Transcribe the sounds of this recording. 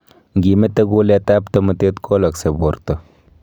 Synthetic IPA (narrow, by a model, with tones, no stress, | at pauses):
ŋɡi˨me˦t̪ɐ˦ɡo˦le˦t̪a˦pt̪ɐ˦mə˨t̪e˦t̪kʰo˦lɐ˨kse˨bo˨ɾt̪ə˨